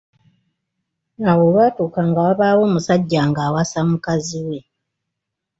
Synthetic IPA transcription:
awoβwaːtuːkaŋɡawaβaːwo̞ːmusaɟːaːŋɡaːwasamukaziwe̞

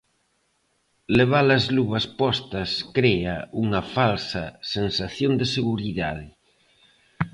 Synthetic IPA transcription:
leβ̞alɐzluβɐspɔst̪ɐskɾeɐuŋɐfalsɐ̰sensaθjond̪eseɣuɾiðað̞ɪ

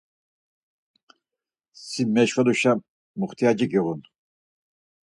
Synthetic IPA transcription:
simɛʃvaluʃa | muχt̪ʰijad͡ʒiɡiʁun

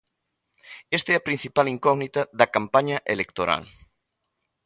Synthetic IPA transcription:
est̪ɛɐpɾĩn̟θipaliŋkɔɣnit̪aðɐkampaɲɐʔelekt̪oɾa̰l

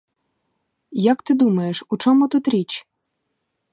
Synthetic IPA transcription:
jɐkt̪ɪd̪umɐjeʃut͡ʃɔmʊt̪ut̪ɾʲit͡ʃ

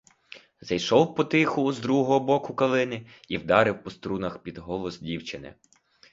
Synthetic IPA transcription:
zɐjʃɔwpɔt̪ɪxʊzd̪ɾuɦɦɔɦɔbɔkʊkɐlˠɪnɪiwd̪ɑɾɪwpɔst̪ɾunɐxpʲid̪ɦɔlˠɔzdʲiwt͡ʃɪnɪ̰

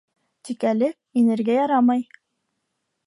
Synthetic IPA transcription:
t̪ikælɘ | inɘ̆ɾɡæjɑɾɑmɑj

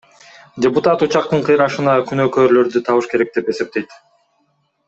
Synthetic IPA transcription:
dʲɪput̪at̪ut͡ʃɑq̚t̪ɯɴqʰɯjɾɑʃɯnɑkynøːkø̞ːɾlø̞ɾd̪yt̪ʰɑβɯʃke̞ɾe̞k̚d̪e̞pe̞se̞p̚t̪ejt̪

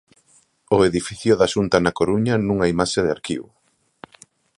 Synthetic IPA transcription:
oeðifiθjʊðɐʃunt̪anakoɾuɲanũŋaimaʃeðeaɾkḭβʊ

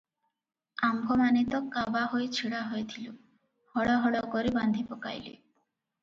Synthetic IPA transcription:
ambʱomanit̪ɔkabaɦojt͡ɕʰiɽaɦojet̪ʰilu | hɔɽɔɦɔɽɔkoɾiband̪ʱipɔka̰jlḭ

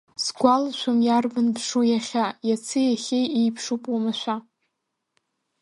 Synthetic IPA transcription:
sɡʷalʃʷamjarvɨnpʂojaχʲajat͡sʰɨjaχʲejijpʰʂupʼwamaʃʷa

